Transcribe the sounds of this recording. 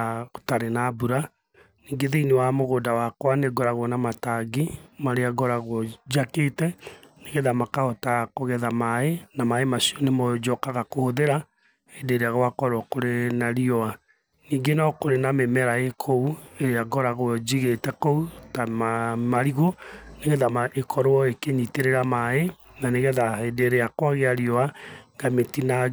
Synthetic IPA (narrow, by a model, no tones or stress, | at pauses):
taɾenabuɾa | niːŋɡeðeinewamoɣoːdawakwaneɡɔɾaɣonamataɡimaɾeaɡɔɾaɣod͡ʒaketɛneɣɛðamakaɔtakoɣɛðamaenamaemasiɔnemɔd͡ʒɔkaɣakohoðeɾa | edeːɾeaɣwakɔɾwɔkoɾenaɾiɔa | niːŋɡenɔkoɾenamemɛɾaekʰoueɾeaɡɔɾaɣod͡ʒiɣetɛkɔutamamaɾiɣoneɣeðamaʔekʰɔɾoɔekeɲiteɾeɾamae | naneɣɛðaedeɾeakwaɣeaɾjɔaŋɡametina